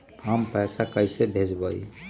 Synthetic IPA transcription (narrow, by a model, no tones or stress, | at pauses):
ɦəmpəjsakəjsebʱed͡ʒbəi